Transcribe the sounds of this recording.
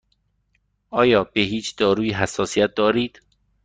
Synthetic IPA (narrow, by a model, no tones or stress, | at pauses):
ʔɒːjɒːbeɦiːt͡ʃʰd̪̥ɒːɾuːjiɦæsːɒːsijæt̪̚d̪ɒːɾiːd̪̥